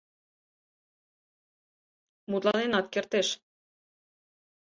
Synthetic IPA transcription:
mut̪lɑnenɑt̪̚kert̪eʃ

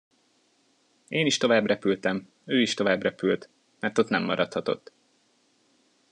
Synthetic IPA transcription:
eːniʃt̪o̞vaːbrɛpylt̪ɛm | øːiʃt̪o̞vaːbrɛpylt̪ | mɛrt̪o̞t̪nɛmːɒ̰ɾɒt̪hɒt̪o̞̰t̪ː

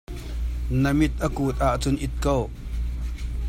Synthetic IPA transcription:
nəmɪt̪̚ʔəkuːt̪̚ʔaʔt͡sʊnʔɪt̪̚kow

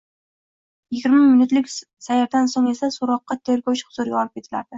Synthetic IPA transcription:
jɪɡʲɪɾmamɪnʊt̪lɪkʲ | sajaɾd̪ansoŋe̞sasoɾɒqːɑt̪ʰe̞ɾɡɒwt͡ʃχʊ̥z̥ʊɾjɒɒlˠɪp̚ʲʰe̞t̪ʰɪla̰ɾd̪̥ɪ

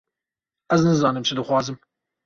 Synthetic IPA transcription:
ɛznɨzɑːnɨmt͡ʃʰɨd̪ɨxʷwʷɑːzɨm

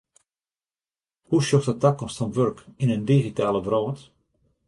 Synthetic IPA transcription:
huʃjɔxtətakɔmstfɔnʋørkinəndiɣitaːləbrɔːt

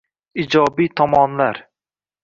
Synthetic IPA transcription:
id͡ʒɒbijt̪ʰɒmɒnlaɾ

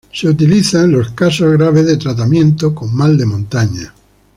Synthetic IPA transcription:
seut̪iliθanlo̞skasozɣɾaβ̞ezðet̪ɾat̪amjẽ̞nt̪oko̞mmald̪e̞mõnt̪aɲa

